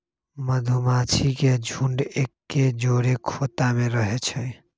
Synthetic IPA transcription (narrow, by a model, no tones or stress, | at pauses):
məd̪ʱumat͡ʃʰiked͡ʒʱuɳɖekːed͡ʒoɾekʰot̪ameɾəɦet͡ʃʰəj